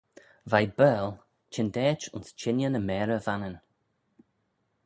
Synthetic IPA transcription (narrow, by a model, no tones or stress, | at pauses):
vajbɛːl | t͡ʃʰɪndɛːt͡ʃʊ̰nst͡ʃɪnjənəmɛːɹəvanən